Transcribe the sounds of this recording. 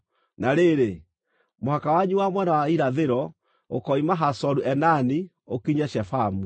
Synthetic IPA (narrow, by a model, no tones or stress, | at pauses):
naɾeɾe | mohakawaɲuwamwɛnawaiɾaðeɾɔ | okɔimaɦasɔɾuɛnani | okiɲɛɕɛfamu